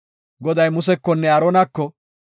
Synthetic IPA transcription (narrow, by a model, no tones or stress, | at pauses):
ɡɔd̪ɐjmʊsɛkːɔnːɛɐɾonɐkːɔ